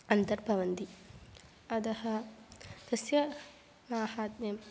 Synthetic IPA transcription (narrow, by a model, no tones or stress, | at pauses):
ɐnt̪ɐɾpɐʋɐnd̪i | ɐd̪ɐhɐ | t̪ɐsjɐ | maːhaːt̪̚mɐm